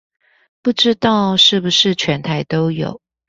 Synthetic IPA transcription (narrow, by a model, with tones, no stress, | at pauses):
pu˥˩ʈ͡ʂɻ̩˥t̪ɑ˥˩ʊʂɻ̩˥˩bu˨˩ʂɻ̩˥˩t͡ɕʰɥɛ˧˦˥nt̪ʰa˧˥ɪt̪o˥ʊjo̰˨˩˦ʊ